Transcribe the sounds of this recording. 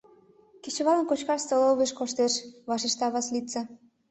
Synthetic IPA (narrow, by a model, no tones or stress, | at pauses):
ket͡ɕə̆βɑlənkot͡ɕkɑʃst̪oloβeʃkoʃt̪eʃβɑʃeʃt̪ɑβɑslit̪t͡se